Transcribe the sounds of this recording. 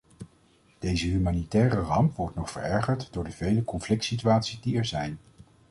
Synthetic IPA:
d̥ejzəɦymaːnitɛːrərɑmpʋɔɹtnɔχfə̰ɹɛɹχəɹtdʊːɹdəvejləkɔnflɪktsityaːtsizdiɛɹzɛjn

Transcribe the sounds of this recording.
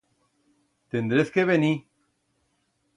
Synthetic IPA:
t̪end̪ɾeskeβeni

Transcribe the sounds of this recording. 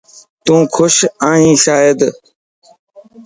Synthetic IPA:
t̪ũːkʰʊʃãːɦĩːʃaːjɪd̪

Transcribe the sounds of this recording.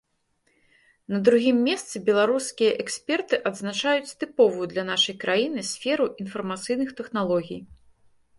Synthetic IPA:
nɐd̪ɾuɣʲimːʲɛst̪sɨbʲɛlˠaɾuskʲijɐʔɛksʲpʲɛrt̪ɨʔɐd̪znat͡ʂajut͡sʲt̪ɨpɔvujud̪lʲɐn̪aʂɐjkɾʔajinɨsʲfʲɛɾuʔinfɐrmat̪sɨjnɨxt̪ɛxnalˠɔɣʲij

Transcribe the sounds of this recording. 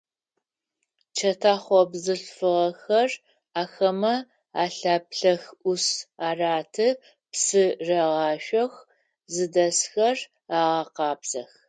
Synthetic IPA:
t͡ʃʰɐtʰaːχʷɔbzɨɬfɨʁɐxɐr | aːxɐmɐ | aːɬaːpɬɐxʔʊsaːraːtʰɨ | psɨrɐʁɑːʃɐx | zɨdɐsxɐr | aːʁɐqɑːpsɐx

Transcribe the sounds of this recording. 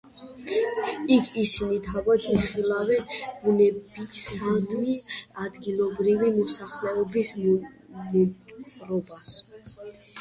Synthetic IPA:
ikʰisinit̪ʰavad̪ʰiχilavɛnbunɛbisad̪miad̪ɡilˠɔbɾivimɔsaχlɛɔbism | nɛpʼɾɔbas

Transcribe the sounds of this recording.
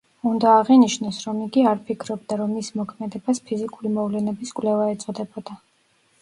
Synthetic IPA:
und̪aːʁiniʃnɔsɾɔmiɡiaɾpʰikʰɾɔbd̪aɾɔmːismɔkʰmɛd̪ɛbaspʰizikʼulimɔvlɛnɛbiskʼwlɛvaɛt̪sʼɔd̪ɛbɔd̪̥a

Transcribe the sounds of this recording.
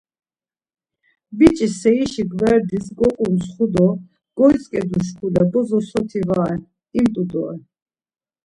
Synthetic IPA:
bit͡ʃʼisɛiʃiɡvɛɾd̪isɡɔkʼumsχud̪ɔ | ɡ̥ɔjt͡sʼkʼɛd̪uʃ̬kʰulabɔzɔsɔt̪ʰivaɛ | imt̪ʼud̪ɔ̰ɛ

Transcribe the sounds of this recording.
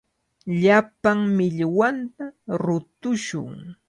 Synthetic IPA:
ʎapaŋmɪʎwant̪aɾʊt̪ʊʃʊ̰ŋ

